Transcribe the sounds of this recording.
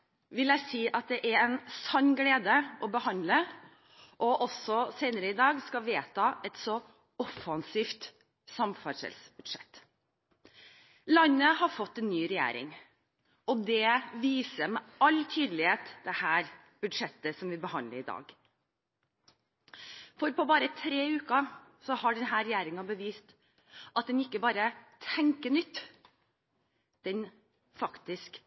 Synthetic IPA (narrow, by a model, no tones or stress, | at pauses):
ʋɪlæɪsiːʔɑt̪̚d̪ɛʔæɾɛnsɑnːɡleːd̪əɔbəhɑnd̪lə | ʔɔʔɔsɔseɪnəɾəɪd̪ɑːɡskɑʋeːt̪ʰɑɛt̪sɔ | ɔfɑnsiːft̪ | sɑmfɑʂɛ̰lsbʉd̪ʂɛt̪ː | lɑnːəhɑɾfɔt̪ːɛnːyːɾɛjæ̰ːɾɪ̰ŋ | ɔd̪ɛʋiːsəmɛɑlt̪ʰyːd̪əl̩ɪeːt̪d̪ɛhæːɾ | b̥ʉd̪ʂɛt̪ːəsɔmʋɪbəhɑnləɾɪd̪ɑ̰ːɡ | fɔɾpɔbɑːɾət̪ʰɾeːʉːkɑsɔhɑɖɛnɦæːɾɛjæːɾɪŋɑbəʋiːst̪ | ʔɑt̪̚d̪ɛnɪkːəbɑːɾət̪ʰɛŋkənʏt̪ː | d̪̥ɛn | fɑkt̪ɪsk